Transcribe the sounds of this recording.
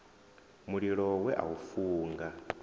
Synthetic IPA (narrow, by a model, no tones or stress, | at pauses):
muɺiɺɔwɛʔa̰ufuːŋɡa